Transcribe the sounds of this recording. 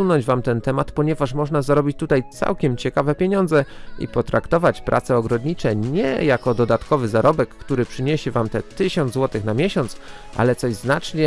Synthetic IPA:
unɔɲd͡ʑvamt̪ɛnt̪ɛmat̪pɔɲɛvaʂmɔʐnazaɾɔbʲit͡ɕt̪ut̪ajt̪sa̰wkʲɛmt͡ɕɛkavɛpʲjeɲɔnd̪zɛḭpɔt̪ɾakt̪ɔvat͡ɕpɾʔa̰t̪sɛɔɡɾɔd̪ɲit͡ʂɛɲɛjakɔd̪ɔd̪at̪kɔvɘzaɾɔbɛkːt̪uɾɘpʂɘɲeɕɛvamt̪ɛt̪ɘɕɔnzwɔt̪ɘxnamʲjɛɕɔnt̪s | ʔa̰lɛt̪sɔʑznat͡ʂɲɛ

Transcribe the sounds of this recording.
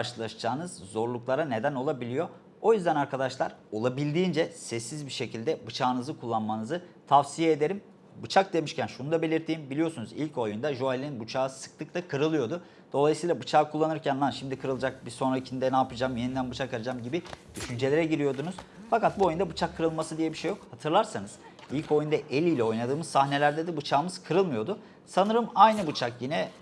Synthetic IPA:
aɾʃɯlˠaʃd͡ʒaːnɯzzo̞ɾlˠuklˠaɾane̞d̪æno̞lˠabilʲijo̞ | o̞jyzd̪ænaɾkad̪aʃlˠa̰ɾo̞lˠabilʲd̪iːnd͡ʒɛsɛsːizbiʃe̞cilʲd̪ɛbɯt͡ʃʰaːnɯzɯkʰulˠːanmanɯzɯt̪ʰafsijeːd̪e̞ɾim | bɯt͡ʃʰak̚d̪e̞miʃcænʃunud̪abe̞lʲiɾt̪ʰiːnbilijo̞sunuzilʲco̞jund̪aʒualʲininbut͡ʃʰaːɯsɯ̥k̚t̪ʰˠɯk̚t̪akʰɯɾɯlˠɯjo̞d̪u | d̪̥o̞lˠajɯsɯjːlˠabɯt͡ʃʰaːkʰulˠːanɯɾcʰænnanʃimd̪ikʰɯɾɯlˠd͡ʒak̚bisonɾaicʰind̪ɛnaːpɯd͡ʒamjenind̪ænbut͡ʃʰakalad͡ʒamɟibid̪̥yʃynd͡ʒe̞lʲe̞ɾɛɟiɾijo̞d̪unuzfakat̪̚buo̞jund̪abɯt͡ʃʰakʰːɯɾɯlˠmasɯd̪ijɛbiʃe̞jo̞khat̪ʰɯɾlˠaɾsanɯz̥ | ilʲco̞jund̪aʔelʲijlʲɛo̞jnad̪ɯːmɯzsahne̞lʲæɾd̪ed̪ibut͡ʃʰaːmɯz̥kʰɯɾɯlˠmɯjo̞d̪ʊ | sanɯɾɯmajnɯbut͡ʃʰakjinɛ

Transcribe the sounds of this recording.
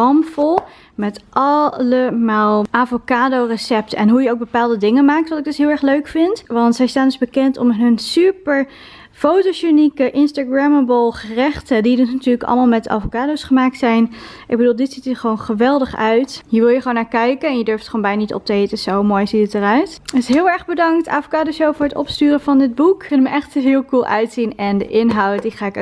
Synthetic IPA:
ɑmfɔlˠ | mɛtʔɑləmaːlˠʔaːvokaːdowrəsɛp̚tɛ̰nɦujəowɡ̚bəpaːlˠdədɪŋənmaːk̚tʋɑtɪɡ̚dɵsɦɪːlˠɛɹχløɥkfɪntʋɑntsɛjstaːndɵzbəkɛntɔ̰mɦɵnsypəɹ | fowtoʃynikəʔɪnstaɡɹɛməbəlˠχərɛχtədidɵsnatyːɹləkɑ̰lˠmaːlˠmɛta̰ːfokaːdowsχəmaːk̚tsɛjnʔɪɡ̚bədulˠdɪtsitəχəʋownχəʋɛlˠdəχœɥtjiəɹʋɪlˠjəχʋoːnːaːɹkɛjkənɛnjədøɹftə̥χoːnmbɛjnanitɔ̰p̚təejtəsowmoːjzitətərœɥtəsɦɪːlˠɛɹχbədɑŋkta̰ːfokaːdoʃowvʊːɹɦətɔ̰pstyːrəvɑndɪd̚bukːɵnəməʔɛχtəvɪːlˠkulˠœ̰ɥtsinɛndə̰ʔɪnɦɑw̚diχaːɪk

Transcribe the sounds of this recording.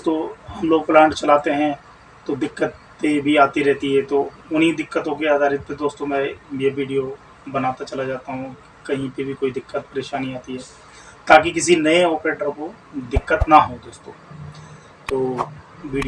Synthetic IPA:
st̪õɦɐmloːɡ̚plɛ̃ːɳʈt͡ʃɐlaːt̪eɦɛ̃ | t̪od̪ɪkːət̪ | pebʱiaːt̪iɾɛɦt̪iɦɛt̪o | ʊnɦid̪ɪkːət̪õkeaːd̪aːɾɪt̪̚ped̪oːst̪õmɛ̃jeʋiːɖijo | bɐnaːt̪at͡ʃɐlad͡ʒaːt̪aɦũ | kɐɦĩpebʱikoːid̪ɪkːət̪̚pɐɾeːʃaːniaːt̪iɦɛː | t̪aːkikɪsinɐeɔːpeːʈəko | d̪ɪkːət̪naɦod̪oːst̪õ̰ː | t̪oː | ʋiːɖ

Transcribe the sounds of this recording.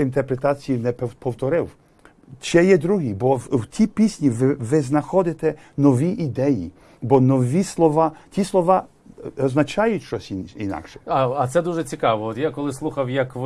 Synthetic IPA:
int̪ɛrpɾet̪ɑt͡sʲijinɛppɔwt̪ɔɾɪw | t͡ʃɛjɛd̪ɾuɦibɔwtʲipʲisʲnʲiʋɪʋɪznɐxɔd̪ɪt̪ɛ | nɔʋʲiʔid̪ɛjḭ | bɔnɔʋʲislˠɔʋɑtʲislˠɔʋɑ | ɐznɐt͡ʃɑjʊtʲʃt͡ʃɔsʲinḭnɑ̰kʃɛ̥ɐɐt̪sɛd̪uʒɛt͡sʲikɑʋɔɔt̪jakɔlˠɪslˠuxɐwjɐk

